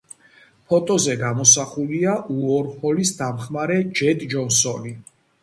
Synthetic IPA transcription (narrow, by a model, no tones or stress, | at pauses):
pʰɔt̪ʼɔzɛɡamɔsaχuliaʔuɔɾhɔlisd̪amχmaɾɛd͡ʒɛd̪d͡ʒɔnsɔni